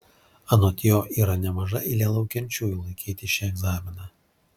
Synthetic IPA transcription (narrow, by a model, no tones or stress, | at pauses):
ɐnoːt̪ʲjoːʔiːɾɐnʲɛmɐʒɐʔɪlʲɛlˠɐʊkʲɛnʲt͡ʃʲuːjulˠɐɪkʲiːt̪ʲɪʃʲɛɛɡzɑːmʲɪnɑ